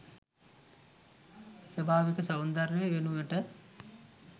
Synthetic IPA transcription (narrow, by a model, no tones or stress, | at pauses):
sɐbʱaːʋikəsɐwnd̪ɐɾjʋeʋenuʋəʈə